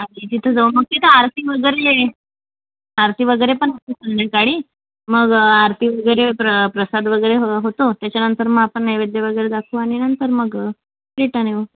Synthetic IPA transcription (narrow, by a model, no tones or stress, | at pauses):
adit̪it̪ʰod͡zauməɡ̚t̪it̪ʰəaɾt̪ʰiʋəɡəjɾele | aɾt̪ʰiʋəɡəjɾepəɳət̪isunːekaɽiː | məɡaɾt̪ʰiʋəɡəjɾepɾəpɾəsad̪ʋəɡəjɾeɦɦot̪ot̪jat͡ɕanənt̪əɾməapəɳnəjʋed̪jeʋəɡəjɾed̪akʰũːaɽ̃inənt̪əɾməɡ | pɾiʈane